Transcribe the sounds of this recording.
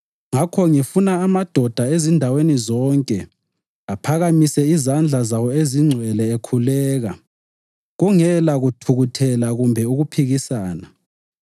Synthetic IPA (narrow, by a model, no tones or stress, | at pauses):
ŋakʰɔŋifunaːmad̥ʱɔd̥ʱaezindʱawenizɔŋkʼɛ | apʰaɣamisɛizand͡ɮʱazawɔeziŋ͡ǀʱwɛlɛekʰulɛːɣa | ɣuŋɛlaɣutʰuɣutʰɛlaɣumbʱɛuɣupʰiɣisaːna